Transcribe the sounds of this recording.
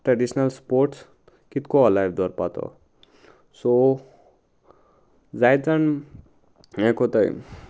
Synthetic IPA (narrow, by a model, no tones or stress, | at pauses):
ʈɾaɖisnalspoɾʈs | kit̪koːlajbd̪ɔɾpat̪ʰɔ̰ | so | d͡zajt͡san | ekot̪aj